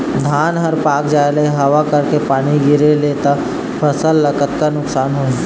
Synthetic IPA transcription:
d̪ʱaːnɦəɾpaːkd͡ʒaːeləeɦɐʋakɐɾkepaːɽ̃iɡɪɾeleːt̪a | pʰəsəlːəkət̪kanʊksaːnɦoːẽ

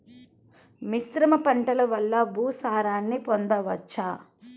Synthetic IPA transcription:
misɾɐmɐpɐɳʈɐlɐʋɐlːɐbʱuːsaːɾaːnːipond̪ɐʋɐt͡ʃːaː

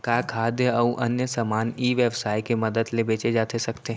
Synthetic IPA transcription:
kaːkʰaːd̪jəɐũʔɐnjəsamaːniːʋeʋsaːikeməd̪əd̪lebeːt͡ʃed͡ʒaːt̪esɐkt̪eɦ

